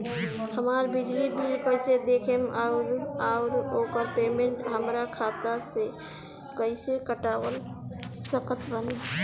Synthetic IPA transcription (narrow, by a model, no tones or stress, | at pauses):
həmaɾbid͡ʒlibiɾkəɪsed̪ekʰemʔaʊɾaʊɾokəɾpemeɳʈɦəmɾakʰat̪ase | kəɪsekəʈabəl | səkət̪bəne